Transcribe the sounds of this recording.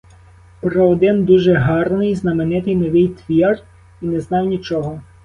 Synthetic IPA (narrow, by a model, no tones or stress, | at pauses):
pɾɔːd̪ɪnd̪uʒɛɦɑrnɪjznɐmenɪt̪ɪjnɔʋɪjt̪ʋʲir | inɛznɑwnʲit͡ʃɔɦɔ